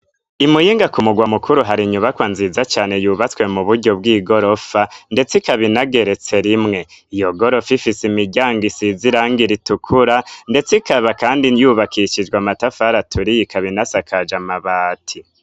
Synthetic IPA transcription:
imujiːŋɡakumuɡwamukuɾuɦaɾiɲuβakwanzizat͡ʃaːne̞juːβat͡swe̞muβuɾɟo̞bɡiːɡo̞ɾofande̞t͡sikaβinaɡe̞ɾe̞t͡se̞ɾimŋe̞ijo̞ɡo̞ɾo̞fifisimiɟaːŋɡisiziɾaːŋɡiɾitukʰuɾande̞t͡sikaβakaːndijuːβakiʃid͡ʒɡwamatafaɾatʰuɾijikaβinasakʰad͡ʒamaβaːtʰi

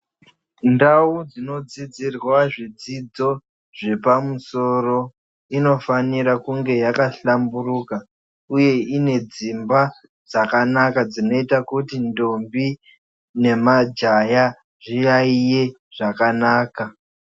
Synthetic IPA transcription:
ndaud͡zino̞d͡zid͡zirwaʐid͡zid͡zo̞ | ʐe̞pamuso̞ro̞ | ino̞faniɾakuŋɡe̞jakaɬamburuka | uje̞ine̞d͡zimba | d͡zakanakad͡zino̞itakutindo̞mbi | ne̞mad͡ʒaja | ʐijaije̞ | ʐ̥akanaːka

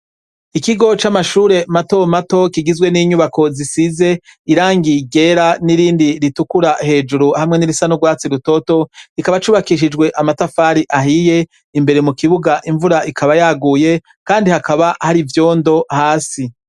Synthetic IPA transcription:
ikiɡo̞t͡ʃamaʃuːɾe̞mato̞mato̞kiɡizwe̞niɲuβako̞zisize̞iɾaːŋɡiɟe̞ːɾaniɾiːndiɾitukuɾahe̞ːd͡ʒuɾuhamŋe̞niɾisanoɡwaːt͡siɾuto̞to̞kikaβat͡ʃuːβakiʃ̬id͡ʒɡwe̞ʔamatafaːɾiʔaɦije̞ | imbe̞ɾe̞mukiβuɡaʔiɱvuɾaʔikʰaβajaːɡuːje̞ | kaːndihakaβahaɾivjo̞ːndo̞haːsi

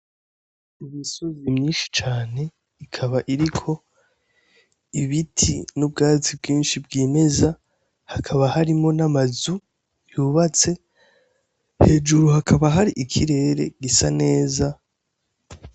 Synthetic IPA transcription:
imisozimɲiːnʃi̥t͡ʃaːne̞ | ikʰaβaʔiɾikʰo̞ | iβitʰḭnub̚ɡaːt͡sibɡiːnʃibɡiːme̞za | hakʰaβahaɾimo̞namazu | juːβat͡se̞ | he̞ːd͡ʒuɾuhakʰaβaɦaɾiʔikʰiɾe̞ːɾe̞̰ɡisane̞ːza

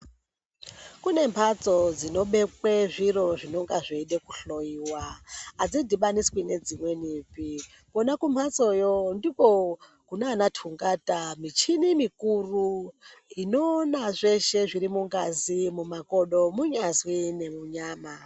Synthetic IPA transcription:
kune̞mpʰat͡sod͡zino̞ɓe̞kweʐiɾo̞ʐino̞ŋɡaʐeiɗekuɬo̞iwaad͡zidʱiɓaniswine̞d͡zimwe̞niːpi | konakumpʰat͡so̞jondiko | kunaːnatʰuŋɡatamit͡ʃinimikuru | inoːnaʐe̞ʃe̞ʐiɾimuŋɡazimumako̞ɗo̞muɲazwine̞muɲaːma

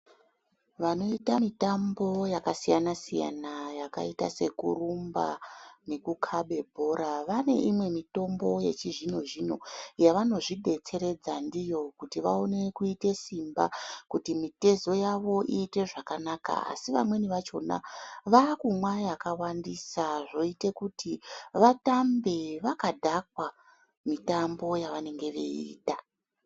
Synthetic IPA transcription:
ʋano̞itamitambo̞jakasijanasija̰najaka̰ita̰se̞kṵrumba̰ne̞kukʰaɓe̞bʱo̞ɾaʋane̞̰ʔimwe̞mito̞mbo̞je̞̰t͡ʃiʐino̞ʒino̞ijaʋano̞ʐiɗʱe̞t͡se̞ɾe̞d͡zandijo̞kutiʋa̰o̞ne̞kuite̞simba̰kutimite̞zo̞jaʋo̞ʔiːte̞ʐakanaka̰a̰siʋa̰mwe̞niʋat͡ʃo̞̰na̰ʋakumwajakawandisaʐo̞ite̞kutʰiʋatambe̞ʋakadʱak̚wa | mitambo̞jaʋane̞ŋɡe̞ʋḛḭːta

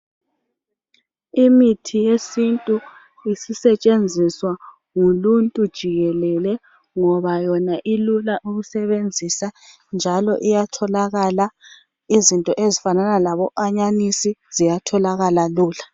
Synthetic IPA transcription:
imitʰijesintʼu | isisɛt͡ʃʼend͡zʱiswa | ŋuluntʼud̥ʒ̥ʱiɣɛlɛlɛ | ŋɔβajɔnaʔilulaʔuɣusɛβend͡zʱisa | nd͡ʒʱalɔ̰ʔijatʰɔlaɣala | izintʼɔʔezifananalaβɔʔaɲanisizijatʰɔlaɣalaluːla

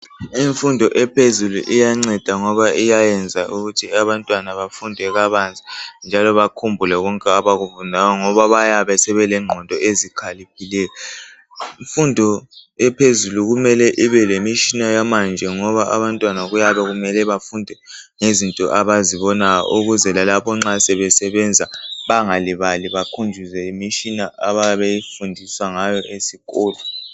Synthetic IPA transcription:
iɱfundʱɔʔɛpʰezulṵʔijaŋ͡ǀɛd̥ʱaŋɔβaʔijajɛnd͡zʱaʔuɣutʰiaβantʼwanaβafundʱɛɣaβand͡zʱʼind͡ʒʱalɔβakʰumbʱulɛɣɔŋkʼɛaβaɣufundʱajɔŋɔβaβajaβɛsɛβɛlɛŋ͡ǃʱɔndʱɔezikʰalipʰilɛːjɔ | ɱfundʱɔɛpʰezuluɣumɛlɛʔiβɛlemiʃinajamand͡ʒʱɛŋɔβaʔaβantʼwanaɣujaβɛɣumɛlɛβafundʱɛ | ŋezintʼɔ̰ʔaβaziβɔnajɔ̰ʔuɣuzɛlalapɔŋ͡ǁasɛβɛsɛβɛnd͡zʱaβaŋaliβaliβakʰund͡ʒʱizɛimiʃʼinaʔaβaβejifundʱiswaŋajɔʔesiɣʼɔːlɔ

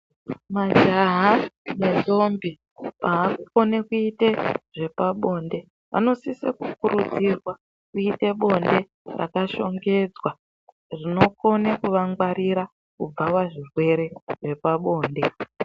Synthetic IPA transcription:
mad͡ʒaɦane̞nzo̞mbi | paːkuko̞nekuiteʐe̞paɓo̞nde̞ | ʋa̰no̞sisḛkukuɾud͡zirwa | kuiteɓo̞nde̞ | ra̰kaʃo̞ŋɡe̞d͡zwa | rino̞ko̞nekuʋaŋɡwaɾiɾa | kub͡vawaʐirwe̞ɾe̞ʐe̞paɓo̞ːnde̞

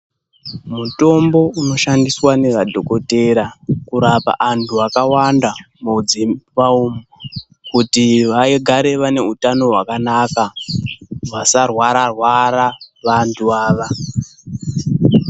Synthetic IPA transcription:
muto̞mbo̞uno̞ʃandiswane̞ʋadʱo̞ko̞te̞ɾakuɾapa̰ʔantʰuakawanda | mod͡zipaumo | kutiʋaeɡʱaɾe̞ʋane̞utano̞ɦwakanaka | ʋasarwaɾarwaɾaʋantʰuaːʋa

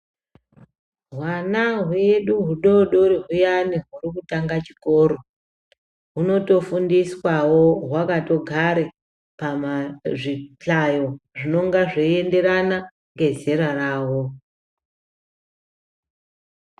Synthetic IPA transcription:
ɦwanaɦueɗuɦuɗoɗoriɦujaniɦurikutaŋɡat͡ʃi̥ko̞ɾo̞ | ɦuno̞to̞fundiswawoɦwakato̞ɡʱaɾe | pamaʐit͡ɬajo̞ʐino̞ŋɡaʐee̞nde̞ɾana | ŋɡe̞ze̞ɾaraːwo

